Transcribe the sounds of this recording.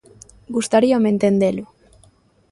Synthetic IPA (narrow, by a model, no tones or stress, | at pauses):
ɡust̪aɾiomẽnt̪end̪elu